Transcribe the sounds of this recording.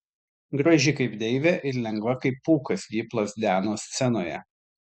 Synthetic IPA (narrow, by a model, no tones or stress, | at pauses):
ɡɾɐʒʲɪkɐɪpd̪ʲɛɪʋʲɛʔɪɾlʲɛŋɡʋɐkɐɪpːuːkɐsʋʲiːplˠoːsd̪ʲæːnoːsʲt̪sʲɛnoːjɛ̰